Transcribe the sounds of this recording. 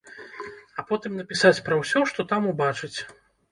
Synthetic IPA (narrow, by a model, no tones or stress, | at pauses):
ɐpɔt̪ɨmnɐpʲisat͡sʲpɾɐwsʲɔʂt̪ɔt̪amubat͡ʂɨt͡sʲ